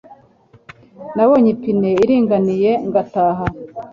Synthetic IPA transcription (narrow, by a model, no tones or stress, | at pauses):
nawoɲipineiɾiːŋɡanije̞ŋɡataːɦa